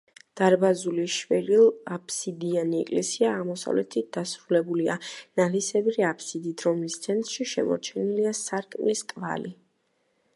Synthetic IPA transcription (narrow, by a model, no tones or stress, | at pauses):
d̪̥aɾbazuliʃvɛɾilˠapʰsid̪ianiɛkʼlɛsiaːʁmɔsa̰vlɛt̪ʰit̪̚d̪asɾulɛbulia̰nalisɛbɾiapʰsid̪id̪ɾɔmist̪sʰɛnt̪ʼɾʃiʃɛmɔ̰ɾt͡ʃʰɛniliasaɾkʼmliskʼva̰li